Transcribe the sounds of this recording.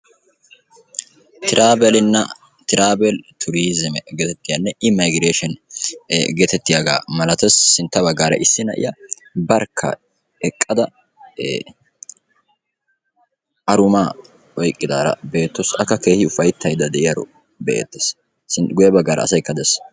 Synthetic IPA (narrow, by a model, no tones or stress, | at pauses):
t̪ɪɾaːbɛlɪnːɐ | t̪ɪɾaːbɛlt̪ʰʊɾiːzɪmɛɡɛt̪ɛt̪ːɪjɐnːɛʔɪmɐjɡɾeːʃɛn | ɡɛt̪ɛt̪ːɪjaɡa̰ːmɐlɐt̪ɛsːɪnt̪ːɐβɐɡːaːɾɐ̰ʔɪsːɪnɐ̰ʔɪ̰jɐ | bɐɾkʰːɐ̰ | ɛkʼːɐd̪ɐ | ʔɐɾʊmaː | ɔjkʼːɪd̪aːɾɐ̰be̞ːt̪ːɔsɐkːɐke̞ːhɪʊfɐjt̪ʰːɐjd̪ɐd̪ɛʔɪjɐɾʊ̰ | bɛʔḛt̪ːes | sɪnɡʊjɐbɐɡːaːɾɐ̰ːsɐjkːɐd̪ɛs